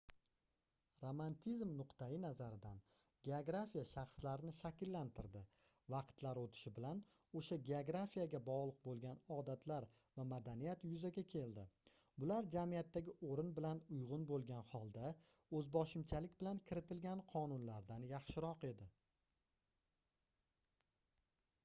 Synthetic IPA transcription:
ɾomant̪ʰizmnʊqt̪ʰajɪnazaɾɪd̪an | ɡʲeoɡɾafijaʃɑχslaɾɪnɪʃakʲɪlːant̪ʰɪɾd̪ɪ | vɑqt̪laɾot̪ʰɪ̥ʃɪbɪlan | oʃaɡʲe̞oɡɾafijaɡʲabɒʁlˠɨq̚bolˠɡʲanɒd̪at̪ʰlaɾ | vamad̪anijat̪jʊzaɡʲakʲʰe̞ld̪ɪbʊlaɾd͡ʒamijat̪ʰːaɡʲɪʔoɾɪnbɪlanʊjʁʊnbolˠɡʲanhɒlˠd̪a | ɵzbɒʃɪmt͡ʃʰalɪkʲbɪlankʲʰɪɾɪt̪ʰɪlɡʲanqʰɒnʊnlaɾd̪anjɑχʃɪɾɒqe̞d̪ɪ

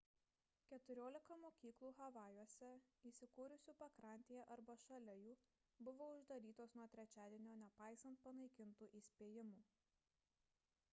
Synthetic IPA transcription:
kʲɛt̪ʊɾʲoːlʲɪkɐmoːkʲiːklˠuːɣɐʋɑːjuɔsʲɛiːsʲɪkuːɾʲʊsʲuːpɐkɾɑˑnʲt̪ʲeːjɛʔɐɾbɐʃɐlʲɛjuː | bʊʋoːʊʒd̪ɐɾʲiːt̪oːsnuɔt̪ʲɾʲɛt͡ʃʲæːd̪ʲiɛnʲoːnʲɛpɑˑɪsɐnt̪̚pɐnɐɪkʲɪnt̪uːʔiːsʲpʲeːjɪmuː

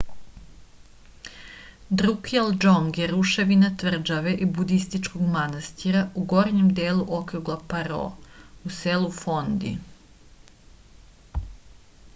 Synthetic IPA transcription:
d̪ɾukeld͡ʒoŋɡjeɾuʃe̞ʋinat̪ʋr̩d͡ʒaʋeʔibud̪ist̪it͡ʃkoɡmanast̪iɾauɡo̞ɾɲemd̪eːlˠuʔokɾuɡlˠapaɾo̰uselufond̪ḭ

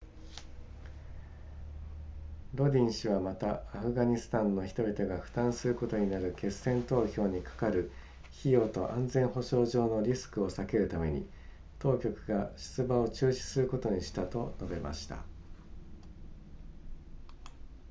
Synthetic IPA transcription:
ɾo̞dʲĩɰ̃ɕiβ̞amat̪aːɸɯ̟ɡaɲ̟isɨ̥t̪ãnːo̞çi̥t̪o̞bʲit̪o̞ɡaɸɯ̟̥t̪ãɰ̃sɨɾɯ̟ko̞t̪o̞ɲ̟inaɾɯ̟ke̞sːẽ̞nt̪o̞ːçʲo̞ːɲ̟ikḁkaɾɯ̟ | çijo̞ːt̪o̞ʔãnd͡zẽ̞ɰ̃ɦo̞ɕo̞ːʑo̞ːno̞ɾʲisɨ̥kɯ̟o̞sake̞ɾɯ̟t̪ame̞ɲ̟ḭ | t̪o̞ːkʲo̞kɯ̟ɡaɕi̥t͡sɨbao̞t͡ɕɨːɕi̥sɨɾɯ̟ko̞t̪o̞ɲ̟iɕi̥t̪at̪o̞no̞be̞ma̰ɕi̥t̪a̰

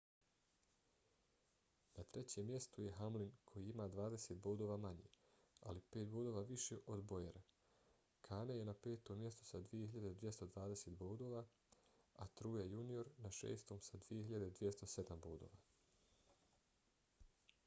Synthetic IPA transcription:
nat̪ɾe̞t͡ɕemːje̞st̪uje̞ɦamlinkʰo̞jiimaːd̪ʋaːd̪ese̞t̪̚boːd̪o̞ːʋaːmaɲḛ | a̰lipe̞ːt̪̚boːd̪o̞ːʋaːʋiʃeʔo̞d̪bo̞jeɾa | kʰaːnejenape̞ːt̪o̞mje̞st̪o̥sad̪ʋije̞ɦiʎad̪ed̪ʋje̞st̪o̞d̪ʋaːd̪e̞seːt̪boːd̪o̞ːʋa | at̪ɾuːjejunio̞ɾnaʃḛːst̪omsad̪ʋijeɦiʎad̪eid̪ʋje̞st̪o̞se̞d̪amboːd̪o̞̰ːʋaː

